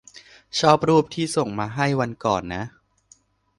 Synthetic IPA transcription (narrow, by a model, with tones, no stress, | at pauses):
t͡ɕʰɔː˥˩p̚ɾuː˥˩p̚t̪ʰiː˥˩so˨˩ŋmaː˧ɦa˥˩jwa˧nkɔ̰ː˨˩nːa˦˥ʔ